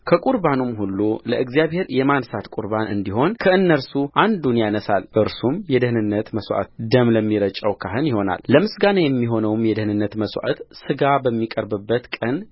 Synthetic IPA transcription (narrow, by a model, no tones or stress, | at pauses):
kʰəkʼuɾbanumhulːuləʔɨɡzjaβhe̞ɾjɛmansat̪kʼuɾbanɨ̰nd̪iho̞nkʰəɨnːəɾsuʔand̪unjanəsalʔɨɾsumjɛd̪ɨhɨnɨnːət̪məswʔa̰t̪d̪əmləmːiɾət͡ʃʼəwkʰaɦɨnjɪho̞na̰lːəmɨsɡanajɛmːiɦo̞nəwmjɛd̪ɨhnɨnːət̪məswʔa̰t̪sɨɡabəmːikʼəɾbɨbːət̪kʼən